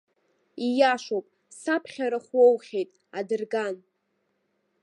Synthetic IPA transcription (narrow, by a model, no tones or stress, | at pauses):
ijaʂowpʼ | sapʰχʲaɾaχwowχʲe̞jtʼ | adɨrɡan